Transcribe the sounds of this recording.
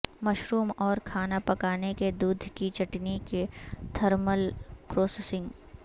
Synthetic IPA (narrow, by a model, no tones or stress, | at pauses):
mɐʃɾuːmɔːɾkʰaːnapɐkaːneked̪uːd̪ʱkit͡ʃɐʈniked̪ʱʰɐɾməlpɾoːseːsɪ̃ŋɡ